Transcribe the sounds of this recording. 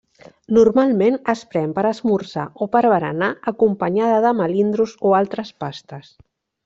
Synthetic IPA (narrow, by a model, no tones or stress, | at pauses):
nurmalˠmenəspɾɛmpəɾəzmuɾsa̰ʔopəɾβəɾə̰naəkumpəɲaðəðəməlind̪ɾuzoalˠt̪ɾəspast̪əs